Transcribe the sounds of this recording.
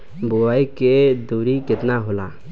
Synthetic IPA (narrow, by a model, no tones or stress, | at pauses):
bʊaːiked̪uːɾikɪt̪naɦolaː